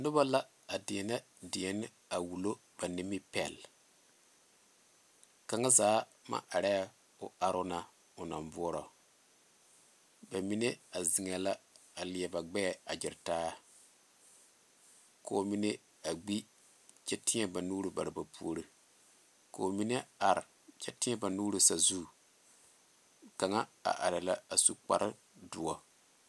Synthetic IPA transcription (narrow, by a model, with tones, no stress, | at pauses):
nʊ˦ba˦la˦ | a˨dɪ˨ɛ˨na˦ | dɪ˨ɛ˨nɪ˦ | a˨wu˨lo˦ | b̥a˨nɪ˦mɪ˦pɛ̰˨l | ka˨ŋa˦zaː˨˦ma̰˦˨ʔa˨ɾɛ˦ | ʊ̰˨a˨ɾʊ˦na˦ | ʊ˨na̰˨mbʊ˦ɔ˦ɾɔ˨ | ba˨mi˦ne˦a˨zi˨ŋɛ˨la˦ | a˨lɪ˨ɛ˨ba˨ɡ͡bɛ˦ɛ˨a˨d͡ʒɪ˨ɾtaː˦ | ko˨mi˦ne˦ | a˨ɡ͡bi˦ | t͡ʃɛ˦tɪ˦ɲɛ˦ba˨nuː˦ɾɨ˦ba˨ɾɨ˨ba˨pʰṵ˦o˨ɾɨ˦ | ko˨mi˦ne˦a˨ɾɪ˨ | t͡ʃɛ˦tɪ˦ɲɛ˦ba˨nuː˦ɾɨ˨sa˨zu˦˨ | ka˨ŋa˦a̰˨ʔa˨ɾɪ˨la˦a˨su˨k͡pa̰˦ɾʔɨ˦ | dʊ˨ɔ˨